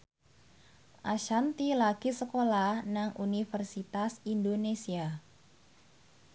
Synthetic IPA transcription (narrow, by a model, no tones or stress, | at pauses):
ʔaʃant̪ilaɡ̥isəkolahnaŋʔunifərsit̪asindonesia